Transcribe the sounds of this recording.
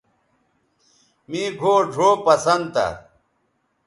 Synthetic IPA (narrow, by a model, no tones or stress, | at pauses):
miːɡʱoːɖʱoːpɐsɐnd̪t̪ɐ̰